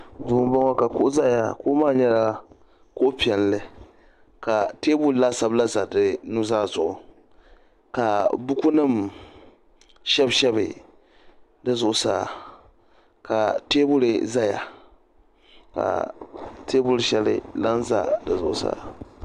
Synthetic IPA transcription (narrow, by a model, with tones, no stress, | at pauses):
duː˨˦m˦ba˦ŋwa˦ka˨kʊ˦ʔza˦˨ja˨koː˦maː˦˨ɲɛ˦ɾa˨ | ko˦ʔpi˨ɛ˨nlɨ˦ | ka˨teː˦bʊ˦ɾla˦sa˨bla˦za˨dɨ˨nu˦zaː˦˨zʊ˨ʔʊ̰˨ | ka˨bʊ˦ku˦nɨ˦m | ʃɛ˦bʃɛ˦bɨ̰˨ | dɨ˨zʊ˨ʔʊ˨sa˦˨ | ka˨teː˦bʊ˦ɾɨ˨za˦˨ja̰˨ | ka̰˨teː˦bʊ˦ɾʃɛ˦lɪ̰˦la˦nza̰˦˨dɨ˨zʊ̰˨ʔʊ˨sa̰˦